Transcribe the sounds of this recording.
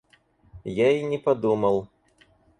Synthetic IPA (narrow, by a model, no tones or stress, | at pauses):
jainʲɛpɐd̪umɐlˠ